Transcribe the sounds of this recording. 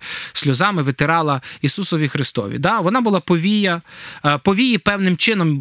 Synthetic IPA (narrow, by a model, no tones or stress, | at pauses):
sʲlʲɔzɑmɪʋet̪eɾɑlˠɐisusɔʋʲixɾɪst̪ɔ̰ʋʲḭd̪ɑʋɔnɑbʊlˠɑpɔʋʲijɐpɔʋʲijipɛwnɪmt͡ʃɪnɔm